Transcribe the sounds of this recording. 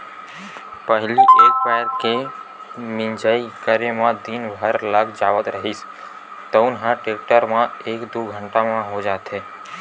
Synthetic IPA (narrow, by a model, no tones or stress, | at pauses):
pəɦlieːk̚pɛɦɾke | mɪ̃nd͡ʒəːikəɾemãd̪inbʱəɾləkʰd͡ʒaːʋət̪ɾəɦis | t̪oʊnɦãʈeːk̚ʈəɾmãeːkd̪uːɡʱə̃ɳʈamãɦod͡ʒaːt̪ɦeː